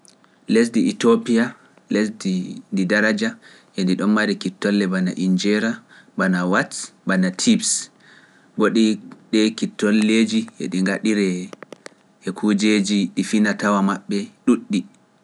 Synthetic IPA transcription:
les̬diitopia | lesdindidaɾad͡ʒa | ʔɛndiɗɔnmaɾikitːɔlːɛbanaʔind͡ʒɛɾa | banawatbanatʰibs | boɗiɗɛkitːɔlːed͡ʒiʔɛ̰ɗiŋɡaɗiɾɛ | ɛkʰud͡ʒed͡ʒiɗifinatawamaɓːɛɗuɗːi

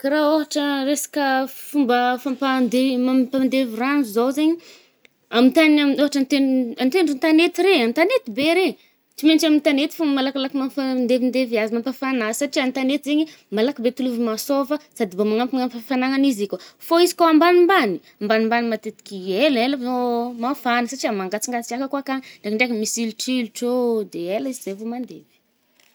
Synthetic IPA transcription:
kaɾaoɦaʈ͡ʂəɾesḁkəfumbəfampand̪emampand̪eviranzuzowzeɲi | amit̪anaoɦaʈ͡ʂant̪eant̪eɳɖ͡ʐunt̪anet̪iɾeant̪anet̪ibeɾe | t͡simenʈ͡ʂamint̪anet̪i̥fumbəmalakalakimapand̪evind̪eviazimampafanasaʈ͡ʂiant̪anet̪izeɲi | malakibet̪uluvimasovəsad̪ibomaŋampiaŋampafanaŋanizikafoizi̥koambanimbani | ambanimbanimat̪et̪i̥kʲieleləomafanəsaʈ͡ʂiamaŋɡat͡siŋɡat͡sikʲakakakanɳɖ͡ʐekaɳɖ͡ʐekəmisiluʈ͡ʂiluʈ͡ʂod̪eelaiziz̥evomand̪evi̥

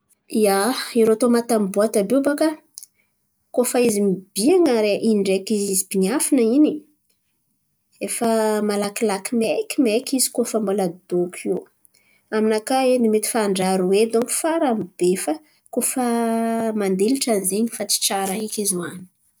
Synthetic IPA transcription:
iaiɾoat̪omat̪ambuat̪abebaka | kofaizimib̥iaŋaɾeʔiɳɖ͡ʐekizizib̥iɲafinəini | efamalakilakimekimekizi̥kofambolad̪okʲʰi | aminakaenimet̪i̥faːɳɖ͡ʐaɾuwed̪oŋku̥faɾamib̥efa | kofamand̪eliʈ͡ʂanzeɲifat͡si̥ʈ͡ʂaɾaikizuani̥

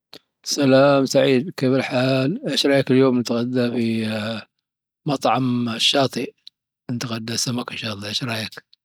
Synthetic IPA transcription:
salaːmsaʕiːd̪kɪbɪlħaːlʕaʃɾˤɑːjakɪljoːmnɪt̪aɣad̪ːafi | mɑt̪ˤʕɑmʃːɑːt̪ˤi | nt̪aɣad̪ːasamakɪnʃɑːlˤːɑːʕaʃɾˤɑjak

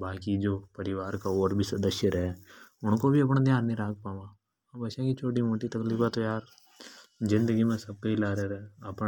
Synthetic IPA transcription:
baːkid͡ʒoːpəɾɪʋaːɾkaːoːɾbʱiːsəd̪əʃjəɾɛːʊɳkoːbʱiːəp̬ɳ̃aːd̪ɪjãːnːĩːɾaːk̚pãːʋãː | abəʃãːkit͡ʃʰoːʈiːmoːʈiːt̪əkliːfãːt̪oːjaːɾ | zɪ̃nd̪əɡiːmɛ̃ːsəb̚kəilaːɾeːɾɛːəp

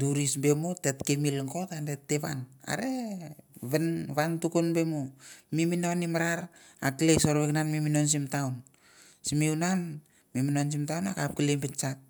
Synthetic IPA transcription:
duɾisbemotetkemilŋkotandetːeβana̰ɾe | βenβantukunbemomiminonimaɾaɾ | aklesoɾβeknanmiminons̬imtawn | simiunan | miminons̬imtawnakap̚kilembent͡ʃat̚

